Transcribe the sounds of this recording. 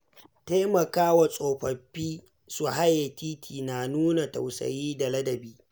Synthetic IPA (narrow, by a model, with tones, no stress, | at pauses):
teː˦mɐ˨kaː˦wa˨sʼoː˨ɸɐ˨ɸːiː˦ | su˨ɦa˦je˨tiː˦tʰiː˨na˨nuː˦na˨ta̰˨wsɐ̰˨jiː˦da˨lɐ˦dɐ˨biː˦